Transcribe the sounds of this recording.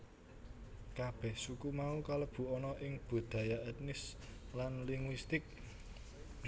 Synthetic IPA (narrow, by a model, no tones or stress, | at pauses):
kab̥ɛhsukumaukaləb̥ṳɔnɔʔɪŋb̥o̤d̪̥a̤jaʔɛt̪̚nɪslanliŋwist̪ɪk̚